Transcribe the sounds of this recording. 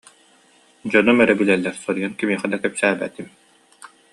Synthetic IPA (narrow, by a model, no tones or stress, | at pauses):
d͡ʑɔnɔmɛɾɛbylɛlːɛɾsɔɾijankimiɛχɛd̪akɛpsæːbæ̰t̪im